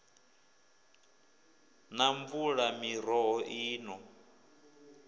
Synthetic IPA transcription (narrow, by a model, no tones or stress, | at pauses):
naɱvuɺamiɾ̤ɔɦɔʔiːnɔ